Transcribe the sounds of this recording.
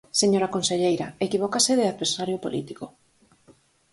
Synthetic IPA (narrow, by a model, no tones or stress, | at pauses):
seɲoɾakonseʎejɾaekiβ̞okasɪðɪaðβeɾsaɾjopolʔḭt̪iko